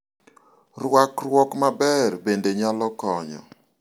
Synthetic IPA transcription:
rwakrwɔkmabɛrbendeɲalɔkɔɲɔ̰

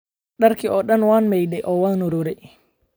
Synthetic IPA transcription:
ɗaɾkiʔɔɗɐnwanmɛjɗɛʔɔwanuɾuɾɛ

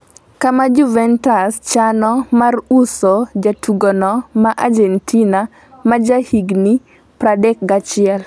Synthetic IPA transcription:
kamad͡ʒuvɛntast͡ʃanɔmarusod͡ʒatʰuɡonɔmaʔad͡ʒɛntʰina | mad͡ʒahiɡni | pɾadɛk̚ɡat͡ʃɪɛl

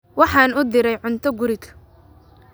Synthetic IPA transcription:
wɑħɑːnʊd̪ɪɾɛjʕʊnt̪ʰɔɡʊɾɪkʰɐ̥

